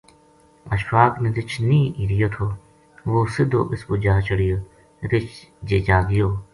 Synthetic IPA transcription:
ə̰ʃpaːkned̪ɪt͡ʃʰnĩːʔiːɾɪjoːt̪ʰoː | ʋoːsɪd̪ʱo̰ːʔɪspud͡ʒaːt͡ʃʰəɽɪjoː | ɾɪt͡ʃd͡ʒeːd͡ʒaːɡɪjoː

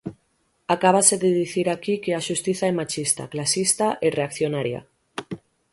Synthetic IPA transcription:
akaβ̞ase̞ðeðiθiɾakikeaʃust̪iθaemat͡ʃist̪a̰klasist̪aʔereakθjonaɾja̰

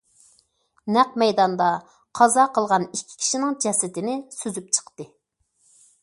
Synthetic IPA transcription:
næq̚mɛjd̪ɑnd̪ɑ | qʰɑzɑqʰəlˠʁɑnikʲʰːi̥kʲʰi̥ʃinɪŋd͡ʒɛsɪt̪ɪnɪsyzyp̚t͡ʃʰə̥qt̪ɨ

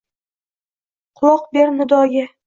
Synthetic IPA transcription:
qʰʊlˠɒqbeɾnʊd̪ɒɡʲɪ

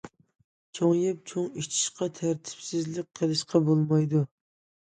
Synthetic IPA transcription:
t͡ʃʰoŋjɪp̚t͡ʃʰoŋit͡ʃʰi̥ʃqɑt̪ʰæɾt̪ʰɪ̥psɪzlɪk̚ʲqʰəlˠɨʃqʰɑbolˠmɑjd̪u

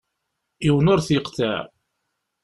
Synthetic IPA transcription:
iwnʊɾθiqt̪æ̰ʕ

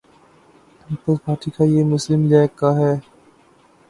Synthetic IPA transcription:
pɪːpəzpaːɾʈikajeːmʊslɪmd͡ʒaɪkːaɦɛː

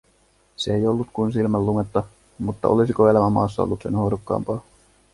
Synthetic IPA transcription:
seejo̞lːut̪kuns̬ilmælːuŋet̪ːɑ | mut̪ːɑ̰ʔo̞lisikoe̞læmæmɑ̰ːsːɑo̰lːut̪se̞̰nhoɾokːɑ̰ːmpɑː

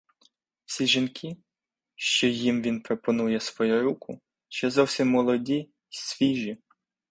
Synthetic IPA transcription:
wsʲiʒinkʲʰi | ʃt͡ʃɔjimʋʲinpɾɔpɔnujɛsʋɔjuɾukʊ | t͡ʃɛzɔwsʲimːɔlˠɔdʲi | sʲʋʲiʒi

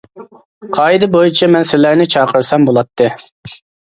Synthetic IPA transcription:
qʰɑːid̪ɨbojut͡ʃʰɛmɛnsɪlæɾnɪt͡ʃʰɑːqʰəɾsɛmbolˠɑt̪ʰːɨ

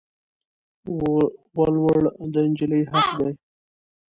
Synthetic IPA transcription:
wɑlwəɽd̪ənd͡ʒiləjhaqd̪aj

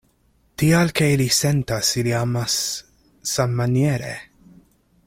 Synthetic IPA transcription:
t̪ijɐlkɛjlisɛnt̪ɐsɪliɐmɐs | sɐmːɐnjɛːɾɛ̰

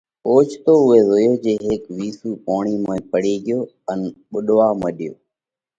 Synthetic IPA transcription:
oːt͡ʃʰt̪oːʊɦeːzoːjoːd͡ʒeːɦɪkʋiːsuːpaːɳ̃iːmãːpəɽeːɡɪjoː | ənɓʊɗʋaːmə̃ːɗɪjoː

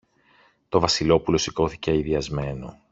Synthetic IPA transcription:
t̪o̞vɐsilo̞pulo̞siko̞θiceɐiðiɐzme̞no̞̰

